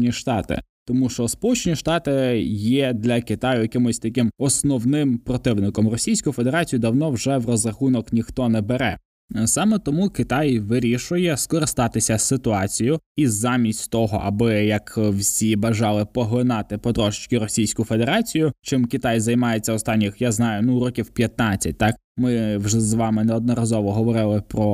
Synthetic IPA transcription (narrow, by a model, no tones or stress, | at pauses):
nʲiʃt̪ɑt̪ɪ̰t̪ɔmuʃt͡ʃɔspɔlˠut͡ʃenʲiʃt̪ɑt̪ɪjɛd̪lʲɐkɪt̪ɑjʊjɐkɪmʊsʲt̪ɐkɪmɔsnɔwnɪmpɾɔt̪ɪwnɪkɔmrɔsʲijsʲkʊjʊfed̪e̞ɾɑt͡sʲijʊd̪ɐwnɔwʒɛwrɔzrɐxunɔknʲixt̪ɔnɛbeɾɛ | sɑmɛt̪ɔmukɪt̪ɑjʋɪɾʲiʃʊjɛskɔɾɪst̪ɑt̪ɪsʲɐsɪt̪ʊɑt͡sʲijʊizːɑmʲisʲtʲt̪ɔɦɔ̰ʔɐbɪjɐkwsʲibɐʒɑlˠɪpɔɦˠɪnɑt̪ɪpɔd̪ɾɔʒɪt͡ʃkɪɾɔsʲijsʲkʊjʊfe̞d̪eɾɑt͡sʲijʊt͡ʃɪmkʲit̪ɑjzɐjmɑjet͡sʲːɐɔst̪ɑnʲːixjaznɑjʊnuɾɔkʲiwpʲjɐt̪nɑt͡sʲɐ̰t̚ʲt̪ɑk | mɪwʒɛzʋɑmɪnɛɔd̪̚nɔɾɐzɔʋɔɦɔʋɔɾɪlˠɪpɾɔ